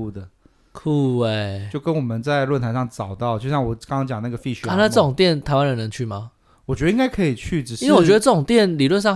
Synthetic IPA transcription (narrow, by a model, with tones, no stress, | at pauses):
d̪ə˨ | kʰu˥˩e˥˨˩jo˥˩ʊkə˦˥nwɔ˨˩mə˦nt͡sa˥˧ɪlwə˥˩nt̪ʰa˧˥nʂɑ˥˩ŋʈ͡ʂɑ˨˩ʊt̪ɑ˥˩ʊt͡ɕjo˥˧ʊɕjɑ˥˩ŋwɔ˨˩˦kɑ˥ŋkʰɑ˥ŋt͡ɕjɑ˨˩ŋna˥˩ɡə˩fi˥˩ɕa˧˥˩na˥˧ʈ͡ʂɤ˥˩o˨˩ŋt̪jɛ˥˩nt̪ʰa˧˥ɪwa˦nɻə˧˥nn˧˦ŋt͡ɕʰy˥˩ma˨˩ | wɔ˨˩t͡ɕɥɛ˧˥d̪ĩ˥ŋɡa˥ɪkʰɤ˧˥i˨˩t͡ɕʰy˥˩ʈ͡ʂɻ̩˨˩ʂi˥we˥˩wɔ˨t͡ɕɥɛ˧˥ə˧ʈ͡ʂɤ˥˩o˨˩ŋt̪jɛ˥˩nli˨˩lwə˥˧nʂɑ˥˨